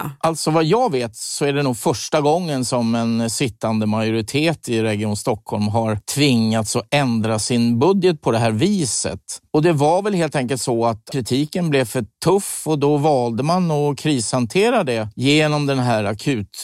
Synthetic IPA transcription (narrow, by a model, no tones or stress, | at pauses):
ʔalt̪sɔvajɑːɡveːt̪sɔæɖɛnuːɡfœʂʈaɡɔŋːənsɔmɛnsɪt̪ːand̪əmajʊɾɪt̪ʰeːt̪ɪɾɛɡɪjuːnst̪ɔkʰhɔlmɦaɾt̪ʰvɪŋːat̪sɔɛnd̪ɾasɪnbɵd̪jət̪̚pʰɔd̪ɛɦæːɾviːsə̰t̪ɔd̪ɛvaɾvɛlheːlt̪ɛŋkəlt̪sɔat̪ʰɾɪt̪ʰiːkənblɛvfœʈʰɵfːɔd̪ɔvɑːld̪əmanɔkʰɾiːshant̪ʰeːɾad̪ɛjeːnɔmd̪ɛnɦæːɾakʰʉ̟ːt̪